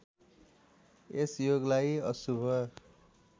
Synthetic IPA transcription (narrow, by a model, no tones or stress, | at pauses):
esjoɡlajʌsubʱʌ